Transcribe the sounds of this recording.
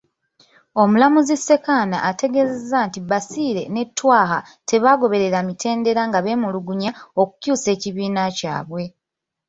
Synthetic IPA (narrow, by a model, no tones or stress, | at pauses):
o̞mulamuzisːe̞kaːna̰ʔːteɡe̞ːzezːantibasiːɾe̞ne̞tːwaːha | te̞βaɡo̞βe̞ɾe̞ɾamitʰe̞ːnde̞ɾaŋɡaβe̞ːmuluɡuɲao̞ku̥cuːse̞ːciβiːnaca̰ːβwe̞